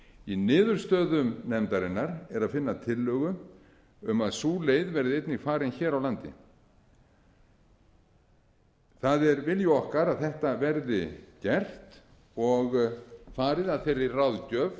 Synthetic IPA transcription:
inɪːðʏɾ̥st̪œːðʏmnɛmt̪aɾɪnːaɾɛɾaðfɪnːat̪ʰɪlːœːɣʏ | ʏmaðsuːlejðvɛɾðɪejt̪nɪɣfaːɾɪnçɛːɾawlant̪ɪ̰ | θaðɛɾvɪljʏɔhkaɾaðθɛht̪avɛɾðɪcɛr̥t̪ | ɔɣfaːɾɪðaðfejɾːɪrawðcœːv

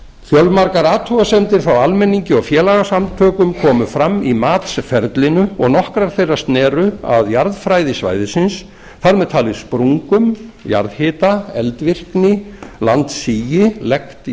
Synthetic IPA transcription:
fjœlmaɾkaɾaːt̪ʰuasɛnt̪ɪɾ̥θawalmɛnːiɲcɪɔɣfjɛːlaɣasamt̪ʰœːkʏmkʰɔːmʏfɾamːimaːt̪sfɛɾt̪lɪnʏɔɣnɔhkɾaɾ̥θejrːḁst̪nɛːɾʏa̰ðjaɾðfɾaːjðɪsva̰ːjðɪsɪns | θaɾmɛðt̪ʰaːlɪ̥spɾuŋkʏmja̰ɾðhɪːt̪aɛlt̪vɪr̥knɪlant̪siːjɪlɛkt̪

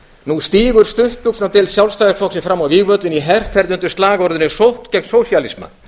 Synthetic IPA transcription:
nust̪iːɣʏɾ̥st̪ʏht̪uksnat̪ɪlsjawlst̪ajɪsfɔksɪfɾamawviːɣvœt̪lɪniɦɛr̥ʰɛɾðʏnt̪ʏ̥st̪laːɣɔɾðʏnɪsowht̪cɛknsoːwsjalisma̰

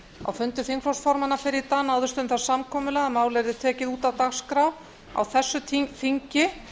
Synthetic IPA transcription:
a̰wfʏnt̪ʏθiŋkflɔwst̪fɔɾmanːafɪɾɪɾt̪aːnaːwðʏst̪ʏmθasamkʰɔːmʏlɛɣamaːwlɛɾðɪt̪ʰɛːcɪðuːt̪awt̪axskɾaw | a̰wθɛsːʏt̪ʰθiɲcɪ

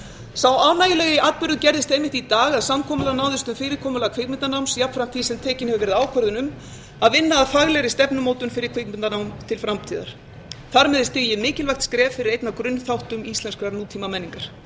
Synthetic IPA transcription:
sawaːwnaːjɪlɛɣɪʔat̪̚pʏɾðʏcɛɾðɪst̪ejmɪht̪it̪aːɣaðsamkʰɔːmʏlanaːwðɪst̪ʏmfɪːɾɪɾkʰɔːmʏlakʰv̥ɪːkmɪnt̪anawmsjapnfɾam̥t̪ʰisɛmt̪ʰɛːcɪnhɛvʏvɛːɾɪðaːwkʰœɾðʏnʏm | aðvɪnːaːðfaɣlɛɾɪst̪ɛpnʏmoːwt̪ʏnfɪɾɪɾ̥kʰvek̚mɪnanawmt̪ʰɪlfɾamt̪ʰiːða̰ɾ̥ | θaɾmɛðɪst̪ɪɣjɪmɪːcɪlvajxt̪skɾɛːvfɪɾɪɾejt̪nakɾʏnːθawht̪ʏmist̪ɛnskɾanuːt̪ʰimamɛnːiŋkaɾ̥

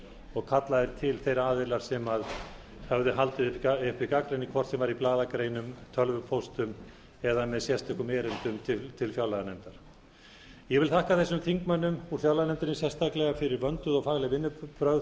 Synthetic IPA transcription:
ɔɣkʰat̪laðɪɾ̥t̪ʰɪlθejɾaːðɪlaɾ̥sɛmað | hœvðʏɦalt̪ɪðɪpaɪhpɪkakɾejnikʰvɔr̥t̪sɛmvaɾiplaːðakɾejnʏmt̪ʰœlvʏpʰowst̪ʏm | ɛðamɛðsjɛst̪ɛkʏmɛːɾɪnt̪ʏmt̪ʰɪt̪ʰɪlfjawlaðanɛmt̪aɾ̥ | jɛvɪlθahkaθɛsːʏmθiŋkmanːʏmuɾ̥fjawlaðnɛmt̪ɪɾnɪsjɛst̪aklɛɣafɪɾɪɾvœnt̪ʏðɔɣfaːɣlɛɣvɪnːʏpɾœð

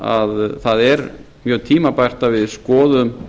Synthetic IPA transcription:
a̰ðθaðɛɾ | mjœːt̪ʰiːmapajr̥t̪avɪðskɔːðʏm

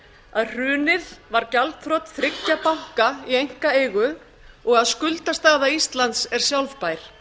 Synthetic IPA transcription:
aðr̥ʏːnɪðvaɾcalt̪fɾɔwt̪θɾɪcːapawŋ̥kaiejŋ̥kaeːjɣʏ | ɔɣaðskʏlt̪ast̪aːɣðaist̪lant̪sɛɾ̥sjawlvpaːjɾ̥

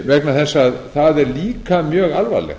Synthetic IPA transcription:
vɛknaθɛsːaaðθaðɛɾliːkamjœːɣalva̰ːlɛ̰ɣ

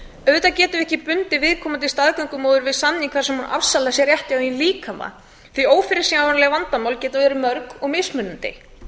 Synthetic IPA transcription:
œðʏt̪acɛːt̪ʏɾɛhcɪpʏnt̪ɪvɪðkʰɔːmant̪ɪist̪aːðkœɥŋkʏmoːwðʏɾvɪðsanːiŋkʰvaɾsɛmhuna̰fsalasjɛɾjɛht̪ɪawinliːkʰama̰ | θvioːwfɪɾɪsiŋavanlɛɣavant̪amaːwlcɛːt̪avɛːɾɪmœɾkɔɣmɪsmʏnːʏnt̪ɪ̰

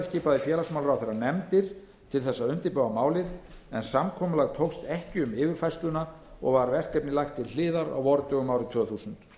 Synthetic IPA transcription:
sciːpaðɪfjɛːlasmawlɾawθejɾanɛmt̪ɪɾ̥ | t̪ʰɪlθɛsːaʏn̥t̪ɪɾpœɣamaːwlɪðɛnsamkʰɔːmʏlaɣt̪ʰowst̪ɛhcɪʏmɪːvɪɾ̥fajst̪lʏna | ɔ̰ɣvaɾvɛr̥kɛpnɪlajxt̪ʰːɪll̥ɪːðaɾa̰wvɔɾʏt̪ʰœɣʏmawɾɪt̪ʰv̥œːθuːsʏnt̪

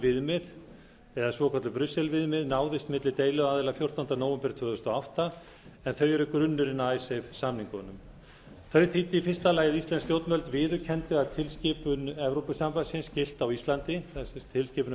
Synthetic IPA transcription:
vɪðmɪð | ɛðasvɔkʰɔt̪lʏpɾʏsːɛlvɪðmɪðnaːwðɪst̪mɪt̪lɪt̪eːjlʏaːðɪlafjowr̥t̪ɔnanoːwvɛmpɪɾ̥t̪ʰvʏːðʏst̪ɔawht̪a | ɛnθœɥjʏɾʏkɾʏnːʏɾɪnːaajsevsamniŋkɔnʏm | θœɥθit̪ːɪifɪ̥st̪alaːjɪðist̪lɛnst̪jowt̪nvœlt̪vɪːðʏɾcʰɛnt̪ʏaðt̪ʰɪlscɪːpʏnɛvɾowpʏsampasɪnscɪl̥t̪awist̪lant̪ɪθt̪ʰɪlscɪːpʏn

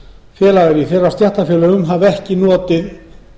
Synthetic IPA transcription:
fjɛːlaɣaɾiθɛrːast̪jaht̪afjɛːlœɣʏmɦavɛhcɪnɔːt̪ɪð

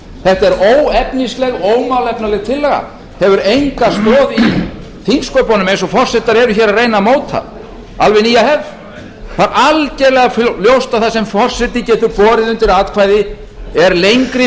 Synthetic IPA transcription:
θɛht̪aɛɾoːwɛpnislɛɣoːwmawlɛpnalɛɣt̪ʰɪlːɛɣa̰ | hɛvʏɾejŋkast̪ɔːði | θinskɔpɔnʏmejnsɔfɔr̥sɛht̪ːaɾɛɾʏçɛːɾaðrejnamoːwt̪ʰa̰ | alvɛniːjahɛv | θaɾʔalcɛɾlɛɣafljowst̪aθasɛmfɔr̥sɛt̪ːɪcɛːt̪ʏpɔːɾɪðʏnt̪ɪɾat̪kʰvajðɪ | ɛɾlejŋkɾɪ

